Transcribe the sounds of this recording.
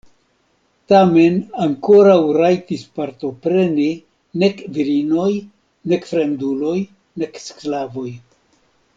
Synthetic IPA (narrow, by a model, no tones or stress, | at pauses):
tame̞naŋko̞ɾawɾajtispaɾt̪o̞pɾe̞ni | ne̞kviɾino̞j | ne̞kfɾe̞ndulo̞j | ne̞ksklavo̞j